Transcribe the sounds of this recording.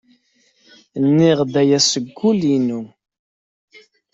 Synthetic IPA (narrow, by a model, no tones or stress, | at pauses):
nːiʁd̪æjæsəɡʷːulinu